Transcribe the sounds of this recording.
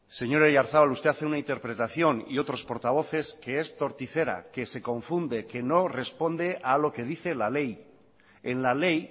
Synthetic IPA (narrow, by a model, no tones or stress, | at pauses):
se̞ɲo̞ɾejaɾθaβalust̪e̞aθeunaint̪e̞ɾpɾe̞t̪aθjo̞nḭo̞t̪ɾo̞spo̞ɾt̪aβ̞o̞θe̞ske̞est̪o̞ɾt̪iθe̞ɾa̰ke̞se̞kõ̞ɱfund̪e̞ke̞no̞re̞spo̞nd̪e̞ʔalo̞ke̞ðiθe̞lale̞j | enlale̞j